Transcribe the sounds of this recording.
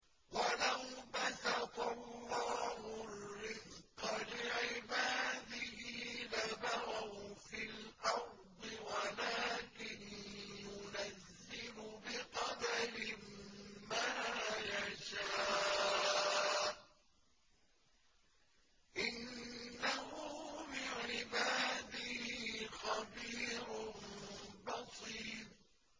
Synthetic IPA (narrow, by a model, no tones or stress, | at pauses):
walawbasakɑlːɑːhʊrːɪzqɑlɪʕɪbaːd̪ɪhɪlabawawfɪlʔɑɾ | d̪ˤɪwalaːkɪnjʊnazːɪlʊbɪqɑd̪aɾɪmmaːjaʃaː | ʔɪnːaɦʊbɪʕɪbaːd̪ɪhiːxɑbiːɾʊnbɑsˤiːd̪̚